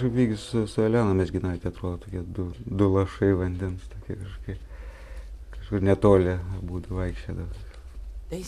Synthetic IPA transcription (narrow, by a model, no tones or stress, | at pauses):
ʃkɐpʋʲiːɡʲɪssʊsʊɐlʲæːnoːmʲɛsɡʲɪnɑːt̪ʲɛɐt̪ɾoːd̪oːt̪oːkʲiɛd̪ʊd̪ʊlˠɐʃɐɪʋɐnʲd̪ʲɛnst̪oːkʲiɛkɐʃkoːkʲɛɪp | kɐʃkʊrnʲɛt̪oːlʲɛbuːd̪ɐʋɐɪkʃʲt͡ʃʲoːd̪ɐʋɐ